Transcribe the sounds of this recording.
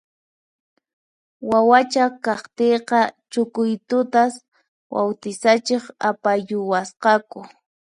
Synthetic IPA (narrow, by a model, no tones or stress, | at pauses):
wawat͡ʃakɑχt̪ejqɑt͡ʃʊkʊjt̪ʊt̪as | wawt̪ɪsat͡ʃeχapajʊwasqɑkʊ